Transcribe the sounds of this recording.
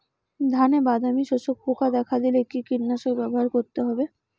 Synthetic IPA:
d̪ʱanebad̪ʱamiʃoʃok̚pokad̪ɛkʰad̪ileekikiɾnaʃoɡbɛboɦaɾkoɾt̪eɦɔbe

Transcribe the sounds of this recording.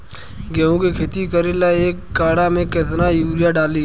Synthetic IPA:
ɡɛõkekʰeːt̪ikəɾelaeːkːaːɽamẽket̪̬najuːɾɪjaɖaːliː

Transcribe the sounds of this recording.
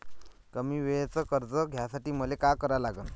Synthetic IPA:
kəmiːʋeɭt͡səkəɾd͡zəɡʱjasaʈiːməlekakəɾalaɡən

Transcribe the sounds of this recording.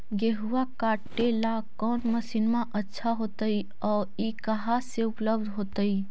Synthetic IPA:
ɡeɦuakaʈela | kɔːnməsinmaʔətːʃʰaɦot̪əi | ɔː | ikəɦaseʊpləb̚d̪ʱɦot̪əi

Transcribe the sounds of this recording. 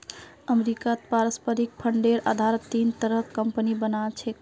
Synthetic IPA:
əmɾikat̪paɾəspəɾik̚pʰəɳɖeɾa̰d̪ʱaɾət̪int̪əɾəkəmpənibənalt͡ʃʰek

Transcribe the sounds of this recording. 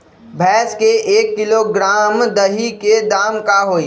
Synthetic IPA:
bʱɛːskeʔeːkːɪloɡɾaːmd̪əɦiked̪aːmkaɦoːi

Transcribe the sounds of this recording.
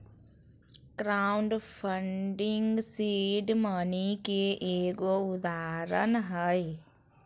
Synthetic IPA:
kɾaːʊɳɖpʰəɳɖɪŋɡsiːɖmənikeʔeːkoʊd̪aːɾənɦəj

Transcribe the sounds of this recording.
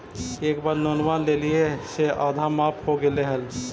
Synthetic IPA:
eːkbaːɾnoːnʋaːnleːlieseʔaːd̪ʱamaːphoɡeleɦəl

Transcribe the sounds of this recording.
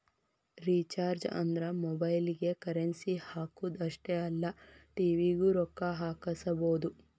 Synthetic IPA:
ɾit͡ʃaːɾd͡ʒɐ̰nd̪ɾɐmɔbɐjliɡe̞kɐɾensihaːkuːd̪ɐʂʈeɐlːɐʈiːʋiːɡuɾɔkːɐɦaːkɐsɐboːd̪u

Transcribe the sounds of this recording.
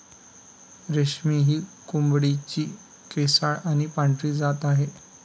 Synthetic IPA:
ɾeɕmiɦiːkumbɽit͡ɕiː | kesaɭañipãɳʈɾiːd͡zat̪aɦe

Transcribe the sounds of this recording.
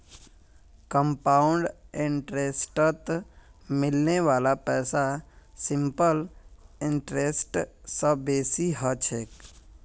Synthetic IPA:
kəmpaːʊɳɖɪ̃ɳʈɾeːsʈət̪mɪlneʋaːlapɛːsasɪ̃mpəlɪ̃ɳʈɾeːsʈsəbeːsiɦət͡ʃʰeːk

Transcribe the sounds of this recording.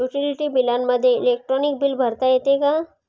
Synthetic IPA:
juʈiliʈibilanməd̪ʱjeɪleːk̚ʈɾɔnɪk̚bilbʱɐɾt̪ajet̪eːɡa

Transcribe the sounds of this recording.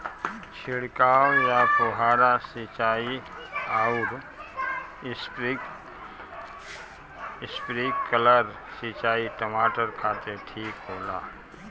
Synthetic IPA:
t͡ʃʰɪɽkaːwjapʊɦaːɾasit͡ʃaːi | aːʊɾ | s | ɪspɾiːkːələɾ | sit͡ʃaːiʈəmaːʈəɾkʰaːt̪eʈʰiːkɦoːlaː

